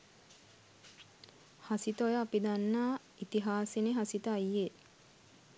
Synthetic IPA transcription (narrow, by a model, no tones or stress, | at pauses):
hasit̪əojəːpid̪anːaː | it̪iɦaːseneɦasit̪əajːe